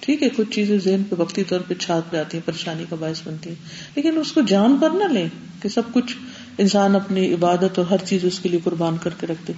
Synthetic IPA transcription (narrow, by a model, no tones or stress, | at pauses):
ʈʰiːkɦɛkʊt͡ʃʰt͡ʃiːzẽzeɦnpeʋɐqt̪it̪ɔːɾpet͡ʃʰaːt̪̚d͡ʒaːt̪iɦɛ̃pɐɾeːʃaːnikabaːɪsbɐnt̪iɦɛ̃ː | leːkɪnʊskod͡ʒaːnpɐɾnalẽː | kesɐb̚kʊt͡ʃʰ | ɪnsaːnɐpniɪbaːd̪ət̪ɔːɾɦɐɾt͡ʃiːzʊskeliekʊɾbaːnkɐɾkeɾɐkʰt̪e